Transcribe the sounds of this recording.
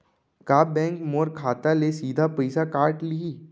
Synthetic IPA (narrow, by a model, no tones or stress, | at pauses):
kaːbɛ̃ːŋkmoɾkʰaːt̪alesiːd̪ʱapəjsakaːɾʈliiː